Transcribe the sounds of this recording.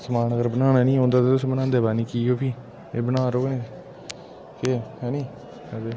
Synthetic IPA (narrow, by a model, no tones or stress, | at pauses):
səmaːnəɡəɾbənaːnaːnĩːɦõːnd̪aːt̪eːt̪ʊsbənãːnd̪eːbaːnĩːkiːoːpʰiː | eːbənaːɾoːɡnẽː | keːhɛːnĩː | ɛd̪eː